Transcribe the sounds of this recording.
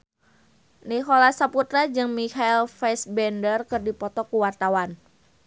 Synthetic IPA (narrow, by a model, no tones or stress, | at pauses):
niɦolasaput̪ɾad͡ʒɨŋmikailfɛsbɛndərkɨrdipɔt̪ɔkuwart̪awan